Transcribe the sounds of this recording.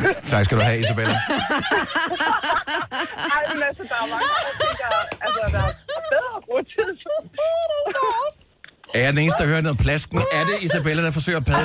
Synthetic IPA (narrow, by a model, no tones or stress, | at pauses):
t͡sʰɑ̈ɡ̥sɡ̥æd̥uɦɛisæbelæ | ɑɪmenæsɐd̥ɑmɑ̈ŋt͡seŋɡ̥ɐælsəd | ɡ̥ɔt͡sʰeðˠs | æd̥ene̝ːnsd̥ɑhøːɐnoðˠpʰlæsɡ̥n̩æɐde̝isæbelæd̥ɑ̈fɒ̽sø̰ːɐpʰɛð